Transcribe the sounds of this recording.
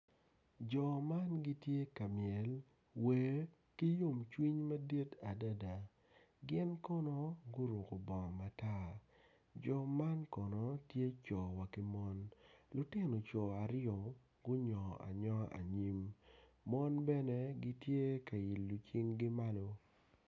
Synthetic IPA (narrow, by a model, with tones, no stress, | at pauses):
d͡ʒɔ˨ma˦nɡi˦tje˦ka˨mɪɛ˨l | we˨ | ki˦jo˦˨mt͡ʃwi˦ɲmɐ˦di˦ta˨da˦da˨ | ɡɪ˦nkɔ˦no˦ɡʊ˦ɾʊ˨ko˨bɔ˨ŋ˨ma˨ta˦ | d͡ʒɔ˨ma˦nkɔ˨nɔ˦tje˦t͡ʃɔ˨wa˨kɪ˦mɔ˦nlʊ˨tɪ˦no˨t͡ʃɔ˨a˨ɾɪɔ˨ | ɡʊ˦ɲɔ˨a̰˨ɲɔ˦a̰˨ɲi˦mː | ɔ˦nbɛ˦nɛ˦ɡɪ˦tje˦ka˨i˨lːʊ˨t͡ʃi˦ŋɡɪ˦ma˦lo˦